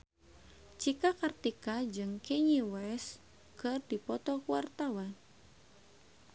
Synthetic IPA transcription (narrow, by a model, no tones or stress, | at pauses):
t͡ʃikakart̪ikad͡ʒɨŋkɛɲiwɛs | kɨrdipɔt̪ɔkuwart̪awan